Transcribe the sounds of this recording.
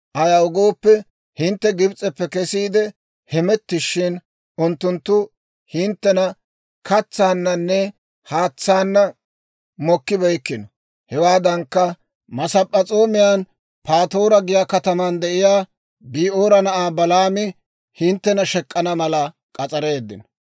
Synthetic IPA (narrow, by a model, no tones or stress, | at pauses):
ʔɐjɐʊɡo̞ːpːɛ | hɪnt̪ːɛɡɪbt͡sʼɛpːɛkɛsiːd̪ɛ | hɛmɛt̪ːɪʃːɪn | ʔʊnt̪ːʊnt̪ːʊ | hɪnt̪ːɛnɐ | kɐt͡sːaːnːɐnːɛ | haːt͡sːaːnːɐ | mɔkːɪbɛjkːɪnɔ | hɛwaːd̪ɐŋkːɐ | mɐsɐpʼːɐt͡sʼo̞ːmɪjaːn | pʰaːt̪o̞ːɾɐɡɪjaːkɐt̪ɐmɐnd̪ɛʔɪjaː | biːʔoːɾɐnɐʔaːbɐlaːmɪ | hɪnt̪ːɛnɐʃɛkʼːɐnɐmɐlɐ | kʼɐt͡sʼɐɾe̞ːd̪ːɪnɔ